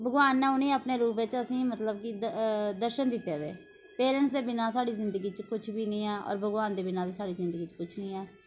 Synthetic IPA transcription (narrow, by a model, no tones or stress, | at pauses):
bʱəɡʋaːnːãːʊnẽːəpneːɾuːpeːt͡ʃəsĩːmət̪ləbkid̪əɾʃənd̪ɪt̪ːeːd̪ḛː | peːɾəɳsd̪eːbɪnãːsaːɽiːzɪ̃nd̪əɡiːt͡ʃkʊt͡ʃʰbiːnĩːaːʔɔ̰ːɾbʱəɡʋaːnd̪eːbɪnaːbiːsaːɽiːzɪ̃nd̪əɡiːt͡ʃkʊt͡ʃʰnĩːaː